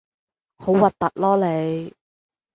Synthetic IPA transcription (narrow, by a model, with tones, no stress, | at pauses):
ho˨˥wwɐ˨t̚t̪ːɐ˨t̚lɔː˥le˨˧jj